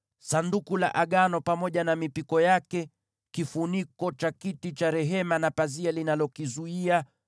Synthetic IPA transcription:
sandukula̰ʔaɠanɔpamɔʄanamipikɔjakɛ | kifunikɔt͡ʃakitit͡ʃaɾɛɦɛmanapazialinalɔkizuia

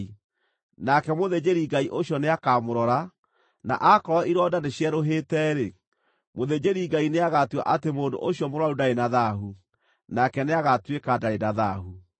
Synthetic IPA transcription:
nakɛmoðed͡ʑeɾiɡaiʔoɕjɔneakamoɾɔɾa | na̰ʔakɔɾɔiɾɔdandeɕjɛɾoɦetɛɾe | moðed͡ʒeɾiɡaineaɣatwa̰ʔatemoːndo̰ʔoɕjɔmoɾɔaɾudaenaðaɦu | nakɛneaɣatwekadaenaðaɦu

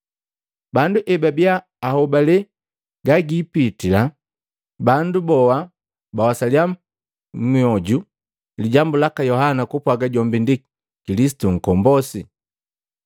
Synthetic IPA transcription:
banduʔɛbabjaː | hɔbalɛ | ɡaɡiːpitila | bandubɔwa | bawasalia | miɔɟu | liɟambulakajɔɦanakupwaɡaɟɔmbindi | kilis̬i̥tuŋ̩kɔmbɔsi

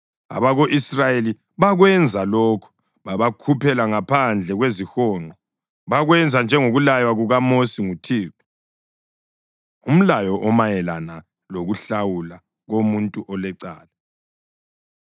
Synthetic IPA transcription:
a̰βaɣoʔisrajeli | βaɣwɛnd͡zʱalɔːkʰɔ̥ | βaβakʰupʰɛlaŋapʰand͡ɮʱɛɣwezixɔːŋ͡ǃʱɔ | βaɣwɛnd͡zʱand͡ʒʱɛŋoɣulajwaɣuɣamosiŋutʰiːku | um̩lajɔʔɔmajɛlana | loɣuɬawula | ɣomuntʼuʔɔlɛǀaːla

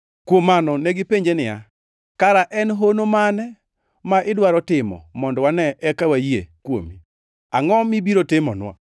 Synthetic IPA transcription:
kwomːanɔneɡɪpeɲd͡ʒenɪja̰ | kaɾaʔɛnɦonomanɛ | maʔɪdwaɾɔtɪmɔ̰mɔndɔwanɛʔɛkawajiḛkwo̰mi | aŋɔmibiɾotɪmɔ̰nwa̰

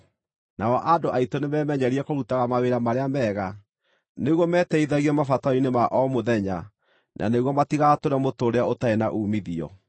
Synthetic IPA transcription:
naɔʔadoʔaitonemɛmɛɲɛɾiɛkoɾutaɣamaweɾamaɾeamɛːɣa | neɣwɔmɛːtɛiðaɣiɛmafatainemaʔɔmoðɛɲa | nʔa̰neɣwɔmatiɣatoɾɛmotoːɾeaotaena̰ʔuːmiðiɔ̰

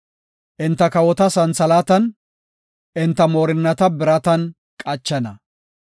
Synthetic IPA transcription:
ʔɪnt̪ːɐkɐwɔt̪ɐsɐnsɐlaːt̪ɐn | ʔɪnt̪ːɐmoːɾɪnːɐt̪ɐbɪɾɐt̪ɐn | kʼɐt͡ʃːɛnɐ

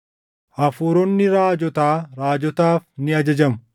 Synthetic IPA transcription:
ʔɐfuːɾɔnːɪɾaːd͡ʒɔt̪aːɾaːd͡ʒɔt̪aːfnɪɐd͡ʒɐd͡ʒɐmʊ

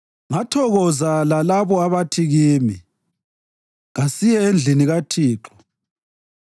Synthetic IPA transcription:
ŋatʰɔɣɔzalalaβɔaβatʰiɣiːmi | ɣasijɛend͡ɮʱiniɣatʰiːǁɔ̥

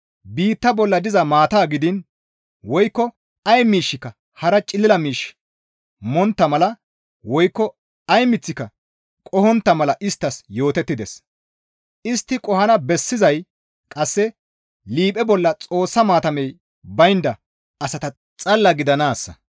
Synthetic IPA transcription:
biːt̪ːɐbɔlːɐd̪ɪzɐmaːt̪aːɡɪd̪ɪn | wɔjkːɔ | ɐjmiːʃːɪkːɐ | hɐɾɐt͡ʃʼɪlːɪlɐmiːʃ | mɔnt̪ːɐmɐlɐ | wɔjkːɔ | ɐjmɪt͡sːɪkːɐ | kʼɔhɔnt̪ːɐmɐlɐʔɪst̪ːɐsjo̞ːt̪ɛt̪ːɪd̪ɛs | ɪst̪ːɪkʼɔhɐnɐbɛsːɪzɐj | kʼɐsːɛ | liːpʼɛbɔlːɐt͡sʼo̞ːsːɐmaːt̪ɐmɛj | bɐjnd̪ɐ | ɐsɐt̪ɐ | t͡sʼɐlːɐɡɪd̪ɐnaːsːɐ̰

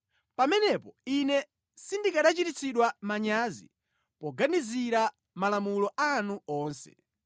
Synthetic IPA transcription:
pamɛnɛpɔinɛ | sindikaɗat͡ʃitit͡sʰiɗwamaɲaːzḭ | pɔɡaniziɾa | malamulɔʔanuɔːnsɛ̰̥

